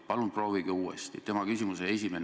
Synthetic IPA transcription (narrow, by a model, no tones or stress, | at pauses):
pɑlun̥pro̞ːviɡ̥iuːḛst̪ḭt̪e̞mɑkysʲimusee̞s̬ʲime̞n